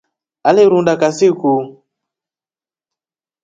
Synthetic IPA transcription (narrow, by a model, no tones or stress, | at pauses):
aliɾundakasiku